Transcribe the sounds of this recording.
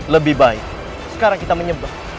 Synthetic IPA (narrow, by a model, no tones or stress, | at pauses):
ləbɪhbaɪk̚ | sə̥kaɾaŋkit̪aməɲəba